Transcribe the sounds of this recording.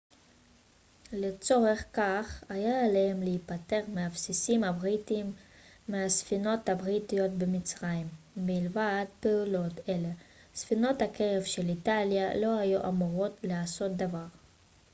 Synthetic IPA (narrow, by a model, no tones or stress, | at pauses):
let͡so̞ʁe̞χkaχajaːlehemleipate̞ʁmeabsisimhabʁitimːeasfino̞thabʁitijo̞t̚bemit͡sʁaimː | ilvad̪peulo̞tele̞ | sfino̞thakʰeʁevʃe̞litaljalo̞ajuʔamuʁo̞tleaso̞t̚d̪avaʁ